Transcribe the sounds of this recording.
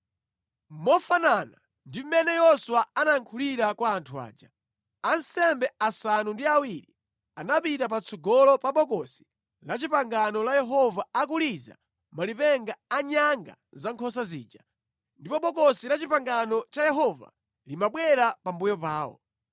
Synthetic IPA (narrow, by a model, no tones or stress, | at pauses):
mɔfanana | ndim̩mɛnɛjɔswaanaŋkʰuliɾakwaːntʰua̰ːd͡ʒa | ansɛmbɛasanundiawiɾi | anapitapat͡sʰɔɡɔlɔpaɓɔkɔsi̥ | lat͡ʃipaŋɡanɔlajɛɦɔvaak̬uliza̰ | malipɛŋɡaaɲaŋɡa̰ | zaŋkʰɔs̬azḭːd͡ʒa | ndipɔɓɔkɔsilat͡ʃipaŋɡanɔt͡ʃajɛɦɔva̰ | limaɓwɛɾapambujɔpaːɔ̰